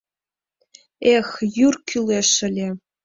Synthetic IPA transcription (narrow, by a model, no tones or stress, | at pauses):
exjyrkʲʰylʲeʂɘ̆lʲe